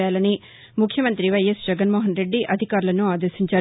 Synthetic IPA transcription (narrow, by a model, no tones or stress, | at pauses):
aːlɐni | mukʰjɐmɐnt̪ɾiʋɐjɐsd͡ʒɛɡɐnmoːɦɐnɾe̞ɖːiʔɐd̪ʱikaːɾulɐnuaːd̪ɐɾʂiɲt͡ʃaː